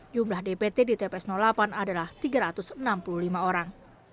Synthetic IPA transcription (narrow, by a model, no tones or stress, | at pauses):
d͡ʒumlahdepet̪edit̪epɛsnɔlapanadalaht̪iɡaɾat̪ʊsənampuluhlimaoɾaŋ